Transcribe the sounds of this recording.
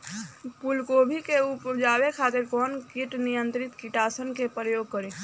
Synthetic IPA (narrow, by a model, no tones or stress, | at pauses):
pulkobʱikeupd͡ʒabekʰat̪eɾkɔːnkiʈnijənt̪ɾit̪kiʈasənkepɾəjoɡkəɾi